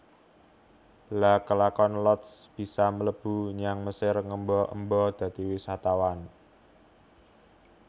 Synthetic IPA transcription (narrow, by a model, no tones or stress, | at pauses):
lakəlakɔnlɔt̪sb̥i̤samələb̥ṳɲaŋməsɪrŋəmbɔʔə̰mbɔd̪̥ä̤t̪iwisat̪awan